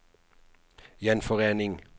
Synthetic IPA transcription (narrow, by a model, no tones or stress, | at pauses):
jɛnfɔʁeːnɪŋ